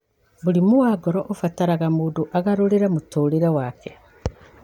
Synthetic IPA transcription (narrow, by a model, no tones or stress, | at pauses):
βulimuaːɡɔɾɔʔofataɾaɣamuːduʔaɣaɾuɾiɾamutuːliɾewaːkɛ̥